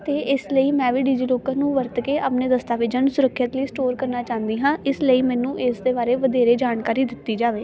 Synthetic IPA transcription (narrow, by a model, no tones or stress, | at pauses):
t̪eːɪsləiːmɛ̃ːʋiːɖiːd͡ʒiːloːkəɾnũːʋəɾt̪keːʔəpneːd̪əst̪aːʋɪd͡ʒəɳsʊɾəkʰːjət̪ləiːsʈoːɾkəɾnaːt͡ʃãːnd̪iːɦãːʔɪsləiːmɛ̃ːnũːʔɪsd̪eːbaːɾeːʋəd̪eːɾeːd͡ʒaːnkaːɾiːd̪ɪt̪ːiːd͡ʒaːʋeː